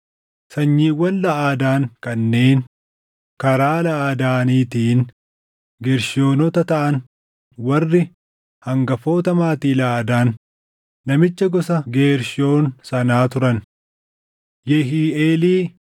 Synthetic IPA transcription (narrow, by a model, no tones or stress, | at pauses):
sɐɲːiːwːɐnlɐʔaːd̪aːŋkʼɐnːe̞ːn | kɐɾaːlɐʔaːd̪aːniːt̪iːn | ɡeːɾʃɪo̞ːnɔt̪ɐt̪ɐʔɐn | wɐrːɪ | hɐŋɡɐfo̞ːt̪ɐmaːt̪iːlɐʔaːd̪aːnː | ɐmɪt͡ʃːɐɡɔsɐɡe̞ːɾʃɪo̞ːnsɐnaːt̪ʊɾɐn | jɛɦiːʔeːliː